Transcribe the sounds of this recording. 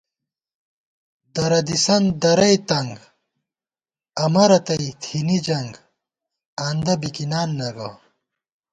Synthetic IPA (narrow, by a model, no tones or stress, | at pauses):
d̪ɐɾɐd̪isɐnd̪ɐɾɐjt̪ɐŋɡ | ɐmɐɾɐt̪ɐit̪ʰinid͡ʑɐŋɡ | aːnd̪ɐbikinaːnːɐɡɐ